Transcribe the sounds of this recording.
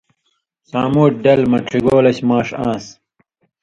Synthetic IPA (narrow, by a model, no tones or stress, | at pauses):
saːmuːʈ̚ɖɐlmɐʈʰiɡoːlɐɕmaːʂãːs